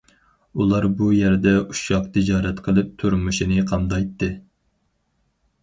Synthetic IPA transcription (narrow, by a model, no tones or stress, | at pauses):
ulˠɑɾbujæɾd̪ɛuʃɑq̚t̪ʰɪd͡ʒɑːɾɛt̪qʰəlˠɨp̚t̪ʰuɾmuʃinɪqʰɑnd̪ɑjt̪ːɨ